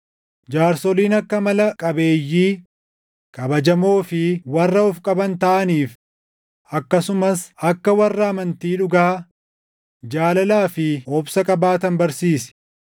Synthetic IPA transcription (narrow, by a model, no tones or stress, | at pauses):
d͡ʒaːɾsɔliːnɐkːɐmɐlɐkʼɐbe̞ːjːiː | kʼɐbɐd͡ʒɐmo̞ːfɪwɐrːɐɔfkʼɐbɐnt̪ɐʔɐniːf | ʔɐkːɐsʊmɐsɐkːɐwɐrːɐɐmɐnt̪iːᶑʊɡɐː | d͡ʒaːlɐlaːfɪɔbsɐkʼɐbaːt̪ɐnbɐɾsiːsɛ̥